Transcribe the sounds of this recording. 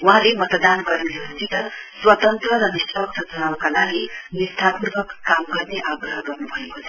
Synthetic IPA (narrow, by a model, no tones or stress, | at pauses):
uɦãlemʌt̪d̪anɡʌrnesʌst̪it̪ʌswʌt̪ʌnt̪rʌɾʌnisʌk̚t̪ʰʌt͡sʌnawkalaɡinist̪ʰapurbʱʌkːamɡʌrneʔaɡrʌɦʌɡʌrnubʱʌekot͡sʰʌ